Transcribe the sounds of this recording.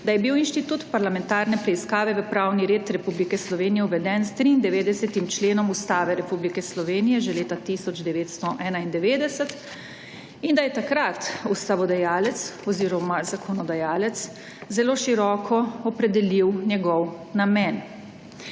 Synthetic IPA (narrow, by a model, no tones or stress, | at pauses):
d̪ajɛbiwinʃt̪it̪uːt̪paɾlamɛ̃nt̪aːɾnɛpɾɛiskaːʋɛʋəpɾawniɾeːt̪ɾɛpublikɛslɔʋeːnijɛuʋɛd̪ɛnst̪ɾiːnd̪ɛʋeːd̪ɛsɛt̪imt͡ʃleːnɔmust̪aːʋɛɾɛpublikɛslɔʋeːnijɛʒɛleːt̪at̪isɔd͡ʒd̪ɛʋeːt̪st̪ɔʔɛːnaind̪ɛʋeːd̪ɛsɛt̪ | ind̪ajɛt̪akɾat̪ust̪aʋɔd̪ajaːlɛt̪sɔziːɾɔmazakʰɔnɔd̪ajaːlɛt̪s | zɛloːʃiɾɔːkʰɔɔpɾɛd̪ɛliwnjɛɡɔw | namɛn